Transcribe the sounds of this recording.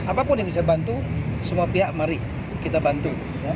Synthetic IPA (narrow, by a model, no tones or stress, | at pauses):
apapʊnjaŋbisabant̪usəmuapiɦaʔmaɾi | kit̪abant̪u | ja